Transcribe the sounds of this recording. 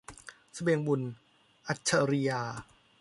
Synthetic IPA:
sa˧be˧ŋbu˧˨n | ʔa˧˩t̪̚t͡ɕʰa˧ɾi˧jaː˧

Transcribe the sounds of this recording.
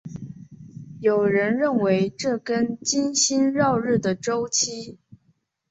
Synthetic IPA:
jo˨˩ʊɻə˧˥nɻə˥˩nwe˧˥ɪʈ͡ʂɤ˥˩kə˥nt͡ɕi˥nɕi˥nɻɑ˥˧ʊɻɻ̩˥˩d̪ə˩ʈ͡ʂo˥ʊt͡ɕʰi˥

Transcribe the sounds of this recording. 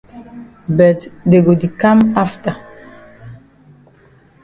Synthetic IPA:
bɛ˨tde˨ɡo˨di˨ka˦ma˦fta˨

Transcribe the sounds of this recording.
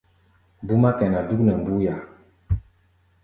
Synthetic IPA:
bu˦ma˦kɛ˨na˨du˦knɛ˨m˨bu˦ja˨

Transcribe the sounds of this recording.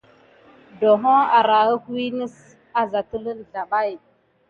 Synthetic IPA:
do˨ɦo˦a˨ɾa˨ɣə˦ku˦i˦nə˦s | a˨za˨tə˦lə˦n˨ɮa˨ɓa˦˨j

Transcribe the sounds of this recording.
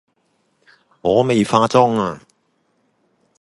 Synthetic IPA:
ŋɔː˨˧me˨jfaː˧t͡sʊ˥ŋaː˧

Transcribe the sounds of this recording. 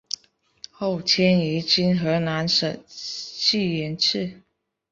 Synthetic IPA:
xo˥˩ʊt͡ɕʰjɛ˥ni˧˥t͡ɕi˥nxɤ˧˥na˧˥nʂə˨˩t͡ɕʰi˥˩jɛ˧˥nt͡s̩ʰ˥˩

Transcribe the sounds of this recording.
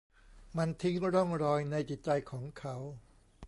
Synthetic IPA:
ma˧nt̪ʰi˦˥ŋɾɔ˥˩ŋɾɔː˧jna˧jt͡ɕi˨˩t̪̚t͡ɕa˧jkʰɔː˩˦ŋkʰa˦˥w

